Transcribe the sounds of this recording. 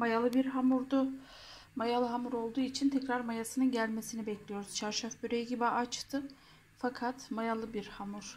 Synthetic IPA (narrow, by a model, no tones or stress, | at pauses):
majalˠɯbiɾɦamuɾd̪ʊ | majalˠɯɦamuɾo̞lˠd̪uːit͡ʃʰint̪ʰɛcɾaɾmajasɯnɯnɟælʲmesinibɛclʲijo̞ɾuz̥t͡ʃʰaɾʃafbyɾejɟibiat͡ʃt̪ʰɯ | fakʰat̪majalˠɯbiɾhamuɾ̥